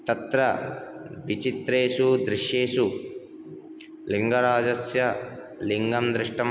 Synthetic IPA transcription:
t̪ɐt̪ɾɐ | ʋit͡ʃit̪ɾeːʂud̪ɾiʂjeːʂu | liŋɡɐɾaːd͡ʒɐsjɐ | liŋɡɐmd̪ɾɪʂʈɐm

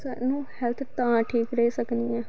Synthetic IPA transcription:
saːnũːhɛlt̪ʰt̪ãːʈʰiːkɾɛesəkniɛ̃ː

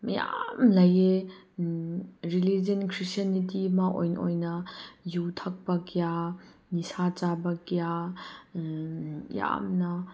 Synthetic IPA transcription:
məja̰mlɐje | ɾilid͡ʒənkʰɾistɐnitimaʔɔ̰jnʔɔ̰jnɐjut̪ʰɐk̚bɐkijanisat͡sabɐkija | ja̰mnɐ

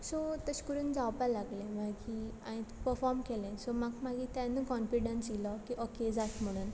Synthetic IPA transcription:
sɔt̪əɕkuɾund͡zawpalaɡlẽmakiã̰ĩt̪pəɾfɔɾmkelẽsɔmakmaɡit̪anːukɔnfiɽənsilɔkiʔɔked͡zat̪m̤əɽ̃uːn

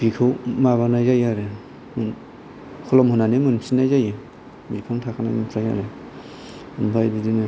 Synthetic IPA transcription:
b̥ikʰɯwmaβanajzajaɾe | mɯn | kʰɔlɔmhunanemɯnpʰsinajzajɯ | bipʰaŋtʰakʰanajmɯnpʰɾaja̰ɾe | ɯnbʰajbidinɯ

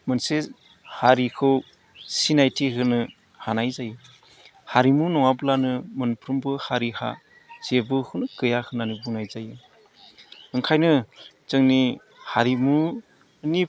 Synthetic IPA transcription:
mɯnse | haɾikʰɯw | sinajtʰiɦɯnɯ | hanajzajɯ | haɾimunɔŋablanɯmɯnpʰɾumbɯhaɾiha̰ | z̥ebɯhɯnɯkɯjakʰɯnanibuŋnajzajɯ | ɯŋkʰajnɯ | zɯŋni | haɾimu | ni

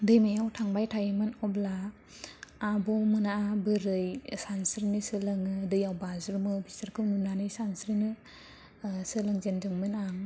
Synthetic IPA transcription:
dɯjmajawtʰaŋbajtʰajɯmɯnɔblaː | bɔwmɯnaabɯɾɯjsansɾinɯsɯlɯŋɯdɯjawbazɾmɯbistəɾkʰɯwnunanɯjsansɾinɯ | sɯlɯŋzendɯŋmɯnaŋ

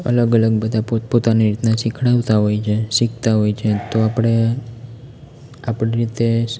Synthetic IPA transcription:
ə̰ləɡələɡbəd̪ʱapopot̪aniɾit̪naʃikʰɽaʋt̪aɦojt͡ʃʰeʃikt̪aɦojt͡ʃʰet̪oapəɽ̃e | apɽiɾit̪e

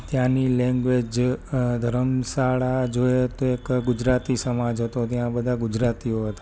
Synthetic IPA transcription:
t̪jãnilɛ̃ŋɡʋed͡ʒd̪ʱəɾəmsaɭad͡ʒoet̪oekɡud͡ʒɾat̪isəmad͡ʒɦət̪ot̪jãbəd̪ʱaɡud͡ʒɾat̪ioɦət̪ḁ

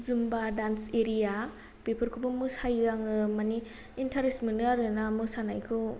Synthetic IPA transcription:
zumbadanseɾija | pepʰɯɾkʰubɯmɯsajaŋɯmaniː | ntʰaɾesminaɾɯnamɯsanajkʰɯ

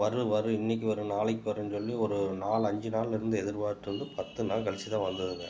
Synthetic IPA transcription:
ʋɐɾɯʋɐɾɯɪnːɪk̬ːiʋɐɾɯnaːɭɪkːɯʋɐɾɯnsɔlːiɔɾɯnaːlɐɲd͡ʒɯnaːlɪɾɯnd̪ɯɛðɪɾpaːðʈːɯɾɯnd̪ɯpɐt̪ːɯnãːlkɐɭt͡ʃːit̪ãːʋɐnd̪ɐðɯŋɡɐ

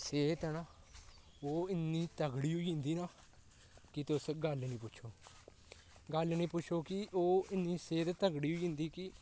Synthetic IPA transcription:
seːt̪ɛːnaː | oːɪnːiːt̪əɡɽiːɦʊiːɦɪnd̪iːnaː | kɪt̪ʊsɡəlnĩːpʊːt͡ʃʰoː | ɡəlnĩːpʊt͡ʃʰoːkɪʔoːɪniːseːt̪t̪əɡɽiːɦʊiːɦɪ̃nd̪iːkɪ

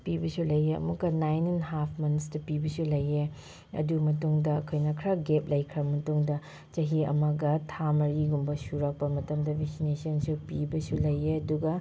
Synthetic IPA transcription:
pibɐsulɐjeɐ̰mukːɐnajnenɦapʰmɐnsdɐpibɐsulɐje | ɐ̰dumɐtuŋdɐɐkʰojnɐkʰɾɐɡep̚lɐjkʰɾɐmɐtuŋdɐ | t͡ʃɐɦiɐ̰mɐɡɐtʰamɐɾiɡumbɐsuɾɐk̚pɐmɐtɐmdɐbeksinesiɐnsupibɐsulɐjeɐduɡɐ

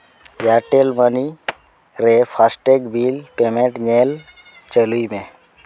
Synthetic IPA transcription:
jaʈelməni | ɾepʰasʈekbʱilpemeʈɲel | t͡ʃəluimẽ

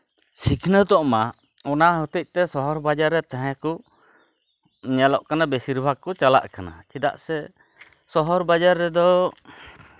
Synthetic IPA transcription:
sikʰnəd̪ɔʔma | ɔnaɦɔt̪ic̪̚t̪ɛsɔɦɔɾbad͡ʒaɾːɛt̪ɛɦɛ̃kɔ | ɲalɔʔkanabesiɾbʱaɡ̚kɔt͡ʃala̰ʔkana̰t͡ʃid̪a̰ʔsɛ | sɔɦɔɾbad͡ʒaɾːɛd̪ɔ

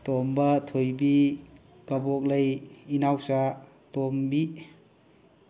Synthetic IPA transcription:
tombɐtʰojbi | kɐbok̚lɐjinawsa | tombi

